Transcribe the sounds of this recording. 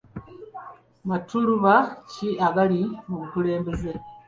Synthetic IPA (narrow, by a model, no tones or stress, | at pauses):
matuɾuβaciaɡalimumukule̞ːmbeze